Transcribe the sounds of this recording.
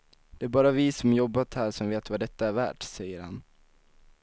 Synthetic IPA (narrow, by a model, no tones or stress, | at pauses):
d̪̥ɛæɾbɑːɾavɪsɔmjɔbːat̪hæːʂɔmveːt̪vad̪ɛt̪ːaæɾvæ̰ːʈsɛjːəɾha̰n